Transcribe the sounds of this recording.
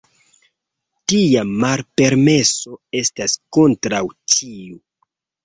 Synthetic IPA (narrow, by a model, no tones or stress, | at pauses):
tiamalpe̞ɾme̞so̞e̞stasko̞ntɾawtʰiu